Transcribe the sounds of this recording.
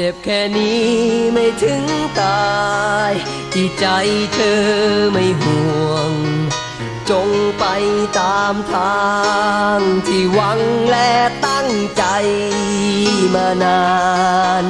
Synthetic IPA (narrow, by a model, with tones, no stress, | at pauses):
t͡ɕe˨˩p̚kʰɛː˧˩niː˦˥ma˥˩jt̪ʰɯ˧˦˥ŋt̪aː˧j | t̪ʰiː˧˩t͡ɕa˧jt̪ʰɤː˧ma˥˩jmu˨˩˧əŋ | t͡ɕo˧ŋpa˧jt̪aː˧mt̪ʰaː˧ | ŋt̪ʰiː˧˩wa˧˥ŋlɛ˧˥t̪a˥˩ŋt͡ɕa˧j | maː˧naː˧ | n